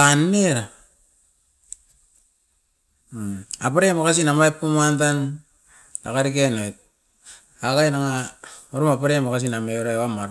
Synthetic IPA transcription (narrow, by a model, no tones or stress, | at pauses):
anːeɾa | apaɾemokas̬inamajpːumantan | da̰kaɾikenojt̚ | akajnaŋaoɾumapaɾemokas̬inameɾaamaɾ